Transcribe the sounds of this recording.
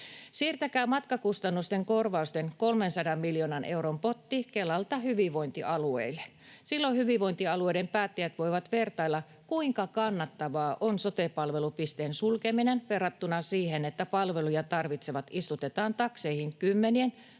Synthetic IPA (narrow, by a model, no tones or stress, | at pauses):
siːrt̪ækæːmɑt̪kɑkust̪ɑnːust̪eŋko̞rʋɑust̪enko̞lmensɑdɑmːiljoːnɑnʔe̞wɾompo̞t̪ːikelːɑlt̪ɑhyʋiʋo̞int̪iʔɑluḛilːe | silːohyʋiʋo̞int̪iɑlue̞idempæːt̪ːijæt̪ʋo̞jʋɑt̪ʋe̞rt̪ɑilːɑ | kuiŋkɑkɑnːɑt̪ːɑʋɑːʔonsot̪epɑlʋe̞lupist̪eːnsulkeminenʋerɑt̪ːunɑsiːhenet̪ːæpɑlʋe̞lujɑt̪ɑrʋit̪seʋɑt̪ist̪ut̪et̪ɑːnt̪ɑkseihiŋkymːenien